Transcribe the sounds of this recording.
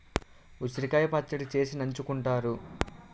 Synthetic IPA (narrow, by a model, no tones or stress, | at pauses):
usɾikɐjɐpɐt͡ʃːɐɽit͡ʃe̞ːsinɐɲt͡ʃukuɳʈaːɾu